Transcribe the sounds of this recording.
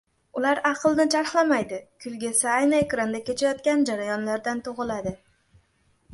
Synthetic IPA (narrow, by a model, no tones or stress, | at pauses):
ʊlaɾɑqʰlˠnɪt͡ʃʰaɾχlˠamajd̪ɪkʲʰʊlɡʲasaajnɪekɾand̪akʲe̞t͡ʃʰajɒt̪kʲand͡ʒaɾajɒnlaɾd̪ant̪ʰoʁɨlad̪ɪ